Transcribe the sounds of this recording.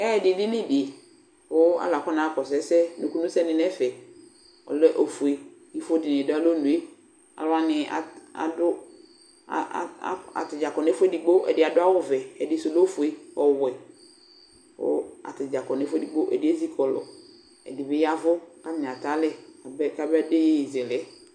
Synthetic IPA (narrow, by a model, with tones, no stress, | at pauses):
ɛ˦˨dɪ˨dɪ˦nɪ˦bi˨e˨ | pʊ˦a̰˦la˨kɔ˦na˨kɔ˨sɛ˨˦sɛ˦no˨ku˦nʊ̃˦sɛ˦nɪ˨nɛ˦fɛ˨ | ɔ̰˨lɛ˦ʔo˨fu˨e˨ji˦fo˦dɪ˨nɪ̃˨dʊ˦a˦lo˦nũ˨e˦ | a̰˨lʊ˦a˦nɪ˨a̰˨a̰˨dʊ˦˨ | a̰˨tɪ˨d͡ʒa˨kɔ˨nɛ˨˦fʊ˦ɛ˦di˨ɡ͡bo˦ʔɛ̰˨dɪ˦a˨dʊ˦a˦wʊ˦vɛ˨ɛ˨dɪ˨so˨lo˦fʊ˨e˨ɔ˨wɛ˨ | ʊ̰˦a̰˨tɪ˨d͡ʒa˨kɔ˨nɛ˦fʊ˦ɛ˦di˨ɡ͡bo˦ʔɛ̰˨dɪ˨˦e˦zi˦kʰɔ˨lɔ̰˨ | ɛ̰˨dɪ˨bɪ˦ja˦vʊ˦ka˦m˨ɪ̃˨a˨ta˨˦lɛ˦˨bka˨bɛ˦de˦ji˨zɛ˨lɛ˦